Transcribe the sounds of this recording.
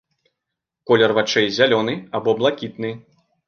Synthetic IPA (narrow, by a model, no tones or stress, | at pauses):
kɔlʲɛrvat͡ʂɛjzʲalʲɔnɨabɔblˠakʲit̪nɨ